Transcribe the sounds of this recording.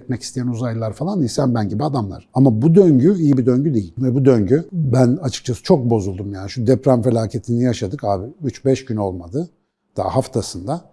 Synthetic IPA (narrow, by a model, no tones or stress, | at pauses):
ɛt̪̚mɛci̥st̪ʰejænuzajlˠaɾfalˠanisænbænɟibiad̪amlˠa̰ɾ̥amabud̪øɲɟyijibid̪ø̞ɲɟyd̪e̞jilʲvɛbud̪øɲɟybænat͡ʃʰɯ̥kt͡ʃʰasɯ̥t͡ʃʰo̞k̚bo̞zulˠd̪umjaːniʃud̪ɛpɾanfe̞lʲaːcʰe̞t̪ʰinijaʃad̪ɯkaːbiyt͡ʃbɛʃɟyno̞lˠmad̪ɯ | d̪̥a̰a̰ɦaft̪ʰasɯnd̪a